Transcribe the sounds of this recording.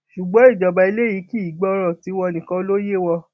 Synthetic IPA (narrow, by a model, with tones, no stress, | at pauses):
ʃu˨ɡ͡bɔ̃˨˦i˦˨d͡ʒɔ˨ba˧i˧le˦ji˨˦ki˦˨˦ɡ͡bɔ˦˧ɾɔ̃˦˨ti˨˦w̃ɔ̃˧nĩ˨kã˧˦lo˦je˦˨wɔ˧